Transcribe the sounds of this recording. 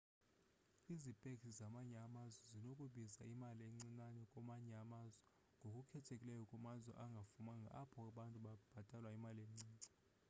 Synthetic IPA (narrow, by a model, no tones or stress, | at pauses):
izipʼekʰizamaɲɛamazwɛzinokʼuɓizaimalieŋ͡ǀinanɛkʼɔmaɲɛamazwɛ | ŋɡʱokʼukʰɛtʰekʼilɛjɔkʼumazwɛ̰ʔaŋɡʱafumaŋɡʱa̰apʰɔaɓantʼuɓab̥ʱatʼalwaimalemŋ͡ǀiːŋ͡ǀɛ